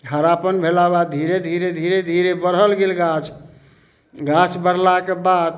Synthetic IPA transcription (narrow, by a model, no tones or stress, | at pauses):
ɦəɾapənbʱelaβad̪ʱiɾed̪ʱiɾed̪ʱiɾed̪ʱiɾebəɾɦəlɡelɡat͡ʃ | ɡat͡ʃbəɾlakebad̪